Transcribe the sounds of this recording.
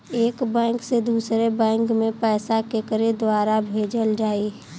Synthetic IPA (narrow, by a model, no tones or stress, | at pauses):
eːkbɛ̃ːŋksed̪uːsɾebɛ̃ːŋkmẽpɛːsakekəɾed̪waːɾabʱeːd͡ʒəld͡ʒaːi